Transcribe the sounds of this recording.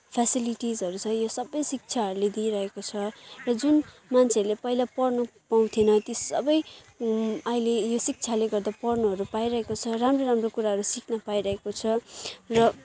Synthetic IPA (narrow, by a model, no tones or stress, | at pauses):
pʰasiliʈizɦʌɾut͡sʰʌjosʌbʌjsik̚t͡sʰaɦʌɾuled̪iɾʌɦekot͡sʰʌrʌd͡zunmant͡sʰeʌɾulepʌilapʌrnʌpaw̃t̪ʰenʌt̪isʌ̰bʌj | ʌilejosik̚t͡sʰaleɡʌrd̪apʌrnʌɦʌɾupaiɾʌɦekot͡sʰʌramroɾamrokuɾaɦʌɾusiknʌpaiɾʌɦekot͡sʰʌrʌ